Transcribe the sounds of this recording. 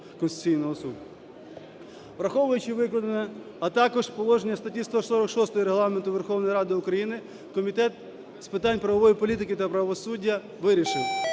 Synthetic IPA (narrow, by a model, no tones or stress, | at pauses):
kɔnst̪ʊ̥t͡sʲijnɔɦɔsud̪ʊ | ʋɾɐxɔʋʊjʊt͡ʃɪʋɪklˠɐd̪ɐnɛ | ɐt̪ɑkɔʐpɔlˠɔʒenʲːɐst̪ɐtʲist̪ɔsɔɾɐkʃɔst̪ɔjɔɾeɦlˠɑment̪ʊʋerxɔʋnɔjɾɑd̪ɪʊkɾɐjinɪ | kɔmʲit̪ɛt̪̚ | spɪt̪ɑnʲpɾɐʋɐʋɔjipɔlʲit̪ɪkɪt̪ɐpɾɐʋɔsudʲːɐ | ʋɪɾʲiʃɪw